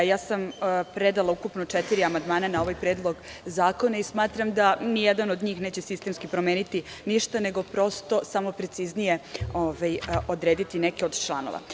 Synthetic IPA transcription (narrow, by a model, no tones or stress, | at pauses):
jaːsampɾed̪alˠaukupno̞t͡ʃet̪iɾiamand̪maːnanao̞ʋajpɾe̞ːd̪lˠo̞ɡ | zaːko̞naismaːt̪ɾamd̪anijed̪ano̞d̪ɲiːxneːt͡ɕe̞sist̪e̞mskipɾo̞meːnit̪i | niʃt̪ane̞ɡo̞pɾo̞st̪o̞samo̞pɾe̞t̪siznije̞ovajo̞d̪ɾeːd̪it̪inekeo̞d̪t͡ʃlˠa̰no̰ʋa̰